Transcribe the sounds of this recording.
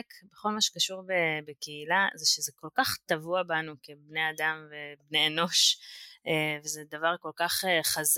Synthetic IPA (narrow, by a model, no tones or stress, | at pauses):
kbeχo̞lmaʃe̥kaʃuʁbebekeilazeʃezeko̞lkaχt̪avuabanuke̞bne̞jad̪amve̞bneno̞ʃ | evezed̪avaʁko̞lkaχeχaz